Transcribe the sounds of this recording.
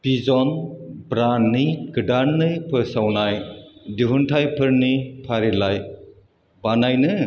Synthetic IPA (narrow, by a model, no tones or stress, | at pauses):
bizɔnbɾanːiɡɯdaɾnːɯpʰɯsawnajdiɦuntʰajpʰɯɾnipʰaɾilaj | banajnɯ